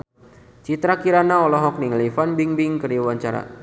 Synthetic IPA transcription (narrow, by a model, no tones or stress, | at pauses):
t͡ʃit̪ɾakiɾanaɔlɔɦɔk̚niŋlifanbiŋbiŋkəriwaɲt͡ʃaɾa̰